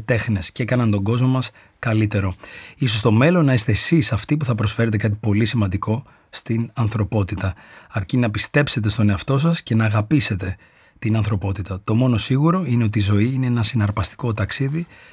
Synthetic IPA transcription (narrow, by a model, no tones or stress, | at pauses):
t̪e̞xne̞sceekɐnɐnt̪o̞ɡo̞zmo̞mɐs | kɐlit̪e̞ɾo̞iso̞st̪o̞me̞lo̞nːɐist̪e̞ːsisɐft̪ipuθɐpɾo̞sfe̞ɾe̞t̪̬e̞kɐt̪i̥po̞lisimɐnd̪iko̞ | st̪inɐnθɾo̞po̞t̪it̪ɐɐɾcinɐpist̪e̞pse̞t̪̬e̞st̪o̞ne̞ɐft̪o̞sɐsce̞nɐːɣɐpise̞t̪e̞ | t̪inɐnθɾo̞po̞t̪it̪ɐt̪o̞mo̞no̞siɣuɾo̞ine̞o̞t̪izo̞iineenɐsinɐɾpɐst̪i̥ko̞t̪ɐksiði